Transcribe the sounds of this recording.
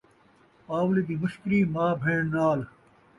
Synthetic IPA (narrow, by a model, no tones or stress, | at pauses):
aːwlid̪iːmʊʃkɾiːmaːbʱeːɳnaːl